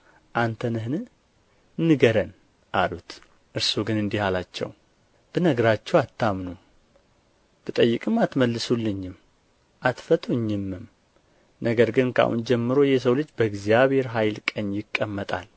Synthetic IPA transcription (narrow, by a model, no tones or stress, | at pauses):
ʔant̪ʰənɨɦnɨ | nːɨɡəɾən | ʔalut̪ | ʔɨɾsuɡɨnɨnd̪ihalat͡ʃːɛ̰w | b̥ɨnəɡɾat͡ʃːɛwat̪ːamnum | b̥ɨt̪ʼəjːɪkʼɨmat̪məlːɨsulːɨɲːɪm | ʔat̪fət̪ʼuɲːɪmːɨm | nəɡəɾɡɨnkʰa̰hṵnd͡ʒɛmːɨɾojɛs̬əwlɨd͡ʒːbəɡzijaβhe̞ɾɦajlkʼəɲːjɪkʼːəmːət̪ʼa̰l